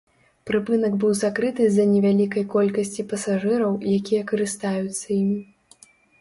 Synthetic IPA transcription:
pɾɨpɨnɐɡbɨwzakɾɨt̪ɨzɐnʲɛvʲalʲikɐjkɔlʲkɐsʲt͡sʲipɐsaʐɨɾɐwjakʲijɐkɐɾɨst̪ajut̪sːɐjimʲi

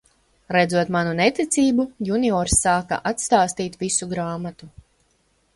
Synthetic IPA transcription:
ɾɛdzuɔt̪manunɛt̪it̪siːbujuniɔɾsːaːka̰ʔat̪st̪aːst̪iːt̪visuɡɾaːmat̪u

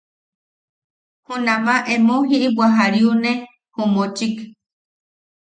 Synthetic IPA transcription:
hunãmãʔemõɦiʔibʷaɦaɾiune | homõt͡ʃik

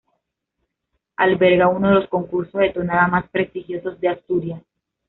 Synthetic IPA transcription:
albeɾɣaunoðe̞losko̞ŋkuɾso̞zðe̞t̪onaðamaspɾe̞st̪ixjo̞so̞zd̪e̞ast̪uɾja

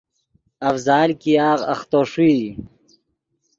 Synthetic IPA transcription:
ɐfzaːlkijaːʁɐχt̪oːʂiː

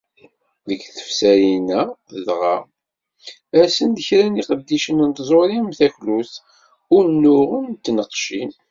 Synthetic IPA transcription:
ðəɡθə̥fsæjinæəðʁɑ | æsənd̪əçɾæniqəd̪ːiʃənnt̪zˤoɾimθæçlus | ʊɾnːʊʁənt̪ːnəqʃin

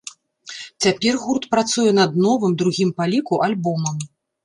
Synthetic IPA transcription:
t͡sʲapʲɛrɣurt̪pɾat̪sujɛnɐd̪nɔvɨmd̪ɾuɣʲimpalʲikuʔalʲbɔmɐm

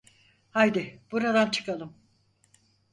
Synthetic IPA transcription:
hajd̪ɪb̥uɾad̪ant͡ʃʰɯ̥kalˠɯm

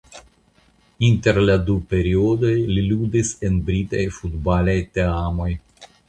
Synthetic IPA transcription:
inteɾladupe̞ɾiodo̞jliludisenbɾitajfudbalajteamo̞j

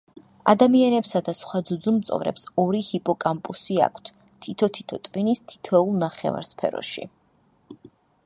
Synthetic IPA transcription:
a̰d̪amianɛpsad̪asχwad̪zud̪zumt̪sʼɔ̰vɾɛ̰psɔɾihipʼɔkʼampʼusia̰kʰt̪ʰ | t̪ʰit̪ʰɔt̪ʰi̥t̪ʰɔt̪ʼvinist̪ʰi̥t̪ʰɛulˠnaχɛ̰va̰ɾspʰɛ̰ɾɔ̰ʃḭ

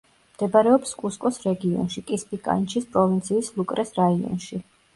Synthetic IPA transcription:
md̪̥ɛbaɾɛɔpskʼuskʼɔsɾɛɡiɔ̰nʃikʼispʼikʼa̰nt͡ʃʰispʼɾɔvint̪sʰiːslˠukʼɾɛsɾaiɔ̰nʃi

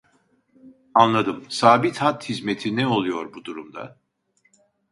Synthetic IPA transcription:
anlˠad̪ɯmsaːbit̪hat̪hizmet̪ʰinɛo̞lˠujo̞ɾbud̪uɾumd̪a̰

